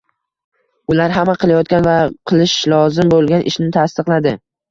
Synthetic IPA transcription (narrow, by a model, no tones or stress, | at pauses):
ʊlaɾɦamːaqʰɨlˠajɒt̪̚kʲanvaqʰɨlˠɪʃlˠɒzɪmbolˠɡʲanʔɪ̰ʃnɪt̪ʰast̪ɨqlˠad̪ɪ